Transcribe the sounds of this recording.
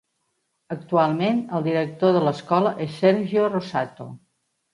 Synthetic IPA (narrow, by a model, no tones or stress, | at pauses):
ək̚t̪ualˠmenəlˠd̪iɾək̚t̪oðələskɔləʔɛsːɛɾʒiorosat̪o̰